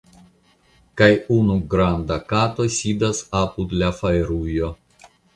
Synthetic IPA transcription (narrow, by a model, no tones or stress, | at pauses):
kajunuɡɾand̪akat̪o̞sʲid̪asapud̪lafaeɾujo̞